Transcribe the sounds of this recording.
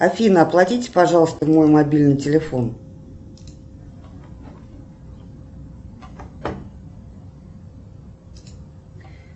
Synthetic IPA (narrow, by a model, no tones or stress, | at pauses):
ɐfʲinəɐplˠɐtʲitʲɪ̥pɐʐɑlˠəst̪əmo̞jmɐbʲilʲnɨjtʲɪlʲɪfon